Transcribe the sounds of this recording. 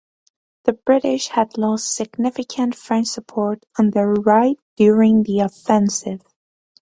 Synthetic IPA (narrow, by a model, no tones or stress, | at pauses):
ðɨbɹɪɾɪʃhɨdˡlɔstsɨɡnɪfɨkʰɨ̃ntfɹɛ̃nt͡ʃsəpʰɔɹɾn̩ðə˞ɹaɪt̚d̥jʊɹɪ̃ŋðiəfɛ̃nsɪv̥